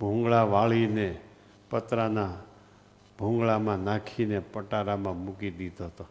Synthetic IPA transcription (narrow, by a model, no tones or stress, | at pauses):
bʱũŋɡɭaʋaɭine | pət̪ɾana | bʱũŋɡɭamãnãkʰinepəʈaɾamãmukid̪id̪ʱoɦt̪o